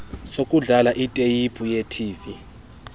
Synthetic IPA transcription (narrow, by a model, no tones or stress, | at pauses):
sokʼuɮalaʔitʼejipʼujetʰiːvi